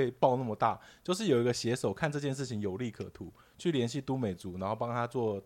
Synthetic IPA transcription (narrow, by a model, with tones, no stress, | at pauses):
e˥˧ɪpɑ˥˧ʊna˥˩mə˩t̪a̰˥˩t͡ɕjo˥˧ʊʂ̬ɻ̩˥˩jo˨˩i˧˥ɡə˧ɕjɛ˧˥ʂo˨˩ʊkʰa˥˧nʈ͡ʂɤ˥˧t͡ɕjɛ˥˧nʂ̬ɻ̩˥˩t͡ɕʰi˧ŋjo˨˩ʊli˥˩kʰɤ̰˨˩t̪ʰu˨˦ | t͡ɕʰy˥˩ljɛ˧˥nɕi˥˩t̪u˥me˨˩ɪt͡su˧˥na˧˥nxo˥˩ʊpɑ˥ŋt̪ʰa˥t͡swɔ˥˩